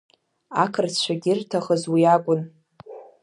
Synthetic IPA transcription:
akʰɨrt͡ɕʷʰaɡʲɪrtʰaχəzwiakʷʼʊn

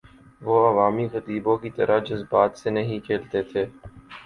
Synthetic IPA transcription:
ʋoːɐʋaːmiɣɐt̪iːbõkit̪ɐɾad͡ʒʊzbaːt̪senɐɦĩkʰeːlt̪et̪ʰeː

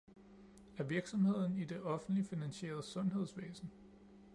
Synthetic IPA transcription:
æɐʋiɐɡ̥sɒ̽mhe̝ð̞̰ˠn̩id̥e̝ʔɒ̽fn̩dlifinænɕe̝̰ːɐð̞̩ˠəsɔ̽nɦe̝ð̞̰ˠsʋḛːsn̩

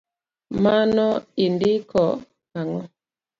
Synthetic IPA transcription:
manɔindikʰɔ | haŋɔ

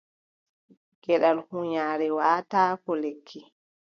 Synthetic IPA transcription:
ɡ̥ɛɗalhuɲaːɾɛwaːtaːkɔlekʰːi

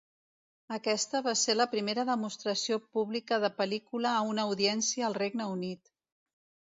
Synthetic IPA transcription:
əkɛst̪əβaseləpɾimeɾəðəmust̪ɾəsiopuβlikəðəpəlikuləːunəːuðiɛnsiəːlˠreɡnəunit̪

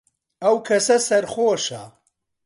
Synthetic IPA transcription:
ɐwkʰɐsɐsɐɾχoːʃɐ

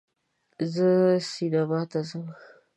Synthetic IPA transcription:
zəsidabatazəŋ

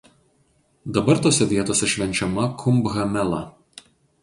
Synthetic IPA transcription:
d̪ɐbɐɾt̪oːsʲɛʋʲiɛt̪oːsʲɛʃʲʋʲɛnʲt͡ʃʲɛmɐkʰʊmbɣɐmʲɛlˠɐ

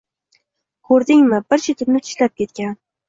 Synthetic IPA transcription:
kʰɵɾd̪ɪŋmɪbɪɾt͡ʃʰɪt̪ʰɪpnɪt̪ʰɪ̥ʃlap̚kʲe̞t̪̚kʲan

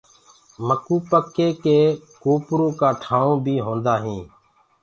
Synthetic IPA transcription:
məkuːpəkːeːkeːkoːpɾõːkaːʈʰaːõːbʱiːɦõːnd̪aːɦĩː

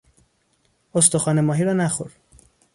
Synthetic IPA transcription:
ost̪oxɒːnemɒːɦiːɾɒːnæxoɾ

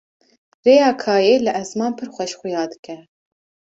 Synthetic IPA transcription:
reːjɑːkʰɑːjeːlɨʔɛzmɑːnpʰɨɾxʷɛʃxʷʊjɑːd̪ɨkɛ

